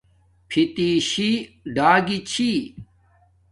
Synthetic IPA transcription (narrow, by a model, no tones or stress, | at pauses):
pʰit̪iɕiɖaːɡit͡ɕʰi